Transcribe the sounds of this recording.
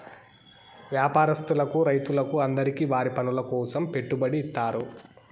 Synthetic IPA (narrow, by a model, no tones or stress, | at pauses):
ʋjaːpaːɾɐst̪ulɐkuɾɐjt̪ulɐkuɐnd̪ɐɾikiːʋaːɾipɐnulɐkɔːsɐmpe̞ʈːubɐɽiːt̪ːaːɾu